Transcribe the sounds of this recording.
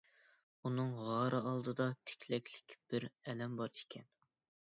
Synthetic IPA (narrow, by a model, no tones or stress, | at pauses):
unɨŋʁɑɾɨɑlˠd̪ɨd̪ɑt̪ʰe̥kʲʰlɛkʲʰlɪkʲb̥ɪɾɛlɛmbɑɾikʲʰɛn